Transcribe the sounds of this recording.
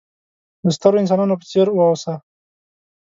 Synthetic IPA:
d̪əst̪əɾoɪns̬ɑnɑnopə̥t͡seɾwəosa

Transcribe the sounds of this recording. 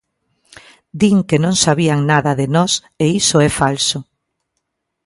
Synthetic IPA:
d̪iŋkenõŋsaβiaŋnaðɐðenɔs | eisʊɛfalsʊ

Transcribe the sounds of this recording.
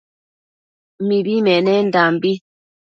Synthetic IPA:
mibimɛnɛn̩dambi

